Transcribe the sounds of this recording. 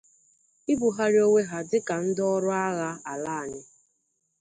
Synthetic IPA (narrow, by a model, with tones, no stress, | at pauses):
i˦bu˨ɦa˦ɾi˦o˦ŋʷe˦ɦa˨dɪ˦ka˨n̩˦dɔ˦ɾʊ˦a˦ɣa˦a˨laː˦a˨ɲɪ˦